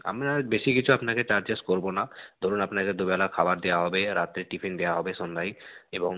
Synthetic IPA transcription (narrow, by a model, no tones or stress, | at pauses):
a̰mabeʃikit͡ɕʰuapnaket͡ɕaɾd͡ʑeskoɾbonad̪ʱoɾunapnaked̪ubɛlakʰabaɾd̪ewaɦɔbeɾat̪ɾeʈipʰind̪eaɦɔbeʃond̪ʱaɦjeboŋ